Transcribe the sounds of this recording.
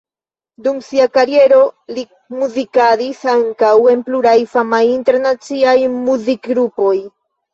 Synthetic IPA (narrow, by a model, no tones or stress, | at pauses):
dumsiakaɾie̞ɾo̞li | muzikadisaŋkawe̞npluɾajfamajinte̞ɾnat͡siajmuzikɡɾupo̞j